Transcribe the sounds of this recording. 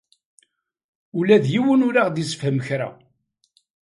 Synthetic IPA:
ulæðjiwənʊɾaʁd̪isə̥fhəmçɾa̰

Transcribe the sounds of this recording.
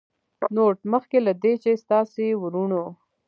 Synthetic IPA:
noːʈməxkelad̪et͡ʃest̪ɑːsewuɾuɳo

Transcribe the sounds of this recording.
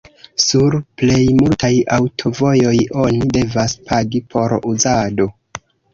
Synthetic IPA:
suɾple̞jmultajawtʰo̞vo̞jo̞jo̞nide̞vaspʰaɡipʰo̞ɾuzado̞

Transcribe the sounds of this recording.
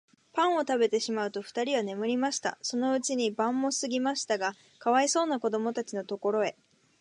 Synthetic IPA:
pãɰ̃o̞t̪abe̞t̪e̞ɕimaɯ̟t̪o̞ɸɯ̥t̪aɾʲiβane̞mɯ̟ɾʲimaɕi̥t̪a̰so̞no̞ɯ̟t͡ɕiɲ̟ibãmːo̞sɨɡʲimaɕi̥t̪aɡa | kaβaiso̞ːnako̞d̪o̞mo̞t̪at͡ɕino̞t̪o̞ko̞ɾo̞e̞

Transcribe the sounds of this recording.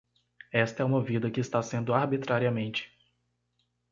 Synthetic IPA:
ɛst̪ɐɛũmɐvid̪ɐkɪɪst̪asẽnd̪ʊaɾbit̪ɾaɾiɐmẽnt͡ʃɪ̥

